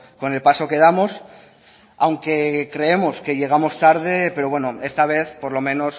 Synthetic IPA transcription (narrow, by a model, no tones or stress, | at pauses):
ko̞ne̞lpaso̞ke̞ð̞amo̞s | awŋke̞kɾe̞emo̞ske̞ʎe̞ɣ̞amo̞st̪aɾð̞e̞pe̞ɾo̞βwe̞noe̞st̪aβ̞e̞θpo̞ɾlo̞mẽno̞s